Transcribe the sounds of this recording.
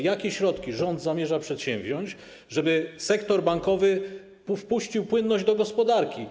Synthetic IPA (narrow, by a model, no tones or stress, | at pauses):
jakʲeɕɾɔt̪kʲiʐɔnd̪zamʲjɛʐapʂɛt̪ɕɛ̃mbʑɔɲt͡ɕ | ʐɛbɘsɛkt̪ɔɾbaŋkɔvɘ | pufpuɕt͡ɕiwpwɘnːɔʑd͡ʑd̪ɔɡɔspɔd̪aɾkʲi